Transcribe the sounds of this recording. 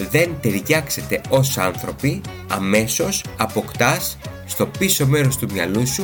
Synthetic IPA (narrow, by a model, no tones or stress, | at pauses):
ðe̞nt̪e̞ɾʝɐkse̞t̪e̞o̞sɐnθɾo̞pi | ɐ̰me̞so̞sɐpo̞kt̪ɐsː | t̪o̞piso̞me̞ɾo̞st̪umɲɐlusu